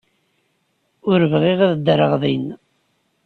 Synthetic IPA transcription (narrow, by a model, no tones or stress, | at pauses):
ʊɾəvʁiʁaðəd̪əɾəʁðˤin